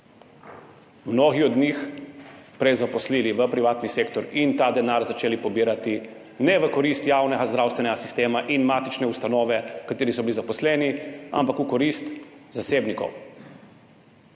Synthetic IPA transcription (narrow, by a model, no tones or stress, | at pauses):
mnoːɣiɔd̪nix | pɾɛjzapɔsliːliʋəpɾiʋaːt̪niseːkt̪ɔɾint̪aːd̪ɛnaɾzat͡ʃeːlipɔbiːɾat̪i | nɛʋəkɔɾist̪jaːwnɛɡazd̪ɾaːwst̪ʋɛnɛɡasi̥st̪eːmaʔinmaːt̪it͡ʃnɛust̪anɔːʋɛkat̪iːɾisɔbilizapɔslɛːnia̰mpakukɔɾist̪zaseːbnikɔ̰w